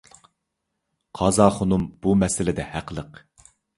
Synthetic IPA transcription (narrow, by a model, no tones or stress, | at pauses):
qʰɑzɑːχonumb̥umɛsɪlɪd̪ɛhæqʰəlˠəq